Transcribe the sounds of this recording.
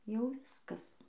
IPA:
jɛʊ ˈʋʲɪskɐs

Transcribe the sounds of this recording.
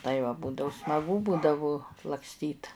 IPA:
tɐɪ ʋɐ ˈbuːdɐʊ smɐˈɡʊ ˈbuːdɐʋʊ lˠɐkˈsʲtʲiːt

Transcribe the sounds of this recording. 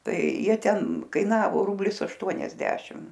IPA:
ˈtɐɪ ˈjiɛ ˈtʲɛn kɐɪˈnɑːʋoː ˈrʊbʲlʲɪs ɐʃˈtuɔnʲɛzʲdʲɛʃʲɪm

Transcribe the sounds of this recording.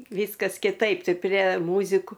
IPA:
ˈʋʲiːskɐs kʲɪˈtɐɪp ˈtɐɪ pʲrʲiɛ ˈmuːzʲɪkʊ

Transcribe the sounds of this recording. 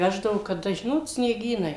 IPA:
ˈʋʲæːʒdɐʋʊ kɐˈdɐ ˈʒʲɪnoːt sʲnʲiɛˈɡʲiːnɐɪ

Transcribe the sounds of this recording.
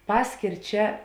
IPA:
ˈpɑːsʲkʲeːr ˈt͡ʃʲɛ

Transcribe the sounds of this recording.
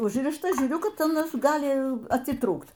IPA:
ˈʊʒʲrʲɪʃtɐ ˈʒʲuːrʲʊ ˈkɐt ɐˈnɐs ˈɡɑːlʲɪ ɐtʲɪˈtruːkt

